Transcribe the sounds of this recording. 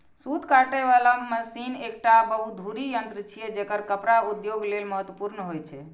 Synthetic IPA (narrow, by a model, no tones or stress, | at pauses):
sut̪kaʈeβalaməsinek̚ʈabəɦut̪̚d̪ʱuɾijənt̪ɾət͡ʃʰijɛd͡ʒekəɾkəpɾaud̪joɡlelməɦət̪wəpuɾnəɦojt͡ʃʰɛ